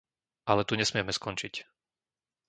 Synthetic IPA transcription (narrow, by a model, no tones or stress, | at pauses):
alɛt̪uɲɛsmɪɛmɛskɔnt͡ʃic